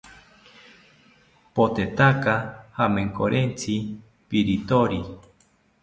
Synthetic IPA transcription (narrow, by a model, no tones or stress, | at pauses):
pot̪et̪akahamẽŋkoɾʔent͡si | piɾit̪oɾi